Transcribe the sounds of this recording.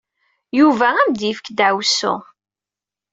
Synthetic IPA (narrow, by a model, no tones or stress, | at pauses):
juvææmd̪ifə̥kd̪ʕwsʊ̰